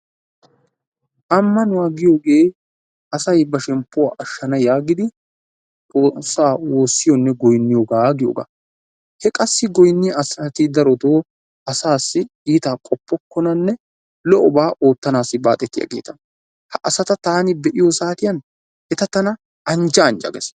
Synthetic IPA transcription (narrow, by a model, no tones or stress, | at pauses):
ʔɐmːɐnʊwaɡɪjo̞ːɡe̞ː | ʔɐsɐjbɐʃɛmpːʊwa̰ːʔɐʃːɐnɐjaːɡɪd̪ɪ | t͡sʼoːsːaːwo̞ːsːɪjɔnːɛɡɔjnːɪjoːɡaːɡɪjo̰ːɡa̰ | hɛkʼɐsːɪɡɔjnːɪjɐsɐt̪ɪd̪ɐɾɔt̪oː | ɐsaːsːɪ | iːt̪aːkʼɔpːɔkːɔnɐnːɛ | lɔʔɔbaːʔo̞ːt̪ːɐnaːsːɪba̰ːt̪ʼɛt̪ːɪjɐ̰ɡḛːt̪ɐn | hɐʔɐsɐt̪ɐt̪aːnɪbɛʔɪjɔsaːt̪ɪjɐn | ʔɛt̪ɐt̪ɐnɐ | ɐnd͡ʒɐːnd͡ʒɐ̰ɡɛ̰s